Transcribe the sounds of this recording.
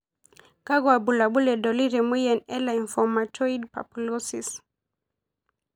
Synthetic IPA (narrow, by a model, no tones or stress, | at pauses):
kaɡwabulabulɛdɔliɾɛmwijɛnɛlaiɱfɔmatʰɔid̚pa̰pulɔsis